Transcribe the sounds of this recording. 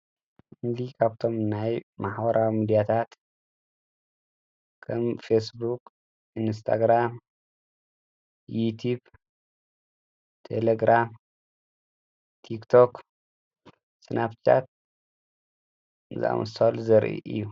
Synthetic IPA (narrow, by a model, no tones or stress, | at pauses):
md̪ikʰaβt̪ʰo̞mnajmaħbɐɾawimid̪ijat̪ʰat̪ | kʰɐmfesbuk | inst̪ʰa̰ɡɾam | jut̪ʰub | t̪ʰḛleɡɾam | ikt̪ʰo̞k | sɨnabt͡ʃʰa̰t̪̚ | ɨza̰wɐ̰sʰolzɐɾʔḭʔɨ̰jːu